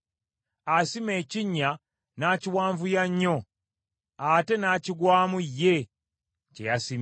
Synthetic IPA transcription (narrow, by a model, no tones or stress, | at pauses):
asime̞ːciɲːa | naːciwaːɱvujaɲːo | ate̞naːciɡwaːmujːe̞ | cḛjasim